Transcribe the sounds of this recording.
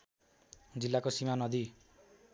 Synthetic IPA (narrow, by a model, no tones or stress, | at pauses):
d͡zilːakosimanʌd̪i